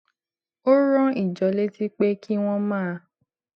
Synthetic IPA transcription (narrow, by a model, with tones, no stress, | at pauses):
o˦ɾɔ̃˦i˨d͡ʒɔ˨˦le˦ti˦k͡pe˦kʰi˦w̃ɔ̃˦mãː˦˧